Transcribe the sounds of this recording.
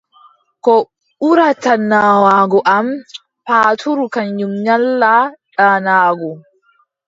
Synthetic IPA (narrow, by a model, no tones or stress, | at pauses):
kɔ | ɓuɾatanaːwaːɡɔʔam | paːtʰuɾukaɲjumɲalːaɗaːnaːɡɔ